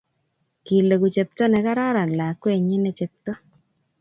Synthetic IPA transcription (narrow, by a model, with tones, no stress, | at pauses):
ki˨le˨ku˨t͡ʃe˨p̚tɔ˦nɛ˨ka˦ɾa˦ɾa˨n˨la˨kwe˦˨ɲɪ˦nɛ˦t͡ʃe˨p̚to˦